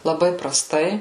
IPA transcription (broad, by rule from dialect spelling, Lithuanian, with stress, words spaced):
lˠɐˈbɐɪ prɐˈstɐɪ